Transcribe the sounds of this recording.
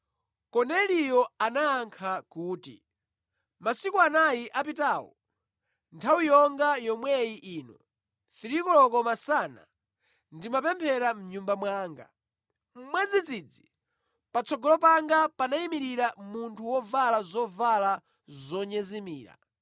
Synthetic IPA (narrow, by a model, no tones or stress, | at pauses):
kɔnɛlijɔanaːŋkʰakuːtḭ | masikuanajiʔapitaːwɔ̰ | ntʰawijɔŋɡajɔmwɛjiʔiːnɔ̰ | θiɾikɔlɔkɔmasana̰ | ndimapɛmpʰɛɾam̩ɲumbamwaːŋɡa | m̩mwɛd͡zid͡zid͡zi | pat͡sʰɔɡɔlɔpaŋɡapanaimiɾiɾamuntʰuwɔvalazɔvala | zɔɲɛzimiːɾa̰